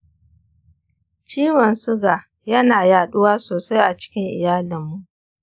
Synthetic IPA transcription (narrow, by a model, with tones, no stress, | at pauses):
t͡ʃiː˦wɔ˨nsʊ˦ɡa˨ | jɐ˦naː˨jaː˨ɗʊ˦waː˦soː˨sa˦jʔa˨t͡ʃɪ̥˦kʲɪ˦ŋʔɪ̰˨jaː˦lɪ˨mːu˦˨ʔ